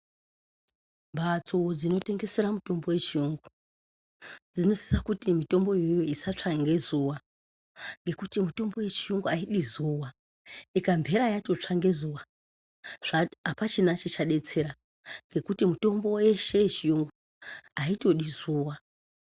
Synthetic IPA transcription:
mbat͡sʰod͡zino̞te̞ŋɡe̞se̞ɾamuto̞mbo̞we̞t͡ʃiuŋɡu | d͡zino̞si̥sakutimito̞mbo̞jojoisat͡ʂaŋɡe̞zuwa | ŋɡe̞kutimuto̞mbo̞we̞t͡ʃijuŋɡuaiɗizuwa | ikambʱe̞ɾajato̞t͡ʂaŋɡe̞zuːwa | ʐ̥aapat͡ʃenat͡ʃit͡ʃaɗe̞t͡se̞ɾa | ŋɡe̞kutimuto̞mbo̞je̞ʃe̞t͡ʃijuŋɡu | aito̞ɗizuːwa

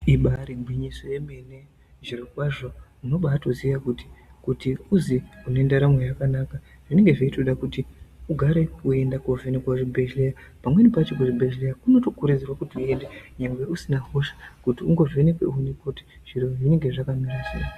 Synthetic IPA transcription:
iɓaɾimbwiɲiso̞je̞me̞ne̞ | ʐirokwaʐo̞uno̞ɓaːto̞ziʋakuti̥kutiuziunendaɾamwejakanaka | ʐ̥ine̞ŋɡe̞ʐeitoɗakutiuɡʱaɾe̞ue̞ndakovenekwaʐibʱeʒleja | pamwe̞nipat͡ʃok̬uʐibʱeʒlejakuno̞to̞kuɾid͡zirwakutiue̞ndeɲeŋɡwe̞usinaɦo̞ʃḁkutiuŋɡo̞venekweunikoti̥ʐ̥iɾoʐine̞ŋɡe̞ʐakamirasḛjo

